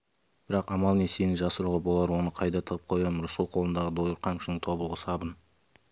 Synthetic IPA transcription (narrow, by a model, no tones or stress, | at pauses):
b̥ɪɾɑqɑmɑlˠnesenɪʒɑsəɾuʁəbo̞lˠɑɾwo̞nəqʰɑjd̪ɑt̪ʰəʁəp̚qʰo̞jɑmɾʊsəlˠqʰo̞lˠənd̪ɑʁəd̪o̞jəɾqʰɑŋkʰʲʃnɪŋt̪ʰo̞bəlˠʁəsɑbən